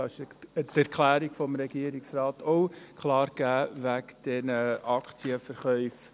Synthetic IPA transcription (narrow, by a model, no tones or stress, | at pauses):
ɑʃət̪æɾkʰlæːɾiɡ̥fɔmɾɛɡiəɾiksrɑːt̪ʰoʊkʰlɑːɾɡ̥æːʋækd̥ɛnəʔɑkt͡siəfəɾχœʏf